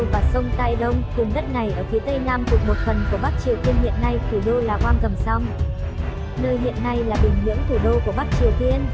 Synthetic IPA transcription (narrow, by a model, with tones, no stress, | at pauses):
vaː˨˩sə˧wŋ͡mt̪aː˧jɗə˧wŋ͡mt̪i˨˩ŋɗə˦˥t̚na˨˩jʔəː˧˩fʰi˨˦t̪ə˧jnaː˧mt̪ək̚mo˨˩t̚fə˨˩nku˧˩əɓa˦˥k̚t͡ɕi˨˩əwt̪i˧ənhḭ˧˨ənːa˧jt̪ʰi˨˩ɗo˧laː˨˩kwaː˧nkə˨˩msa˧wŋ͡m | nəː˧jɦḭ˧˨ənːa˧jlaː˨˩ɓï˨˩ŋ̟mḭ˧˥əŋt̪ʰu˧˩ɗo˧ku˧˩əɓa˦˥k̚t͡ɕi˨˩əwt̪i˧ən